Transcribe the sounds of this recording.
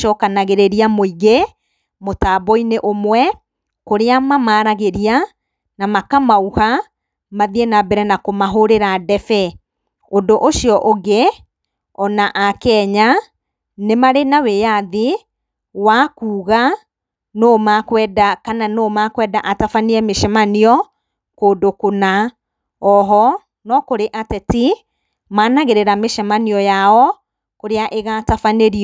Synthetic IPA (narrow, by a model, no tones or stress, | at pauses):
ʃɔːkanaɣeɾeɾiamoiɣe | motaːbɔineʔomwɛ | koɾeamamaːɾaɣeɾia | namakamauha | maðienabɛɾɛnakomaɦoɾeɾadɛfɛ | ondoʔoʃiɔʔoɡe | ɔnaʔakɛːɲa | nemaɾenawejaði | wakuːɣa | nomakwɛːdakananoːmakwɛdaʔatafaniɛmeʃɛmaniɔ | koːdokona | ɔɦɔ | nɔkoɾeʔatɛti | maːnaɣeɾeɾameʃɛmaniɔjaɔ | koɾeaʔeɣatafaneɾiɔ